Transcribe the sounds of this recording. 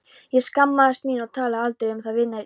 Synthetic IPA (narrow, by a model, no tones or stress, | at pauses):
jɛskamːaðast̪miːnaɣt̪ʰaːlaðalt̪ɾeɾʏmθaðvɪðnːa